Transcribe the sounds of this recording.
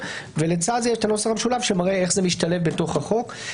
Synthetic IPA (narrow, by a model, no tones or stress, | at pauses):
velet͡sazjeʃt̪anosaχabʃulavʃemaʁeeχzemiʃtale̞fbeto̞χaχo̞k